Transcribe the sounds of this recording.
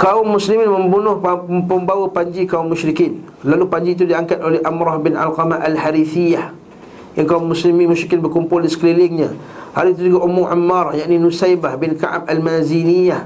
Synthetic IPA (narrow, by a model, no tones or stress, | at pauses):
kaʊmːuslimɪnməmbunʊhpəmbawapaɲd͡ʒikaumːʊʃɾikin | lalupaɲd͡ʒiːt̪̬udiaŋkat̪̚olɛhʔamɾɔhbɪna̰lqɑmaalhaɾiθijah | jaŋkaʊmːuslimɪnmʊʃɾikɪnbərkumpʊldisə̥kɾilɪŋɲa | ha̰ɾit̪̬ud͡ʒuɡaʔumʊŋʔa̰mːarjaʔninusajbahbɪnka̰ʔa̰malmazinijah